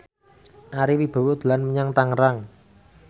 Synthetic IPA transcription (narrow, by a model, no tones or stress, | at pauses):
ʔaɾiwib̥a̤wod̪̥lanməɲaŋt̪aŋəɾaŋ